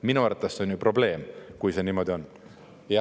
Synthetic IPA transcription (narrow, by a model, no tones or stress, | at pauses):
minuɑɾt̪ːˑɑsːeonjypro̞ble̞ːmkujse̞niːmo̞d̪io̞n | jɑ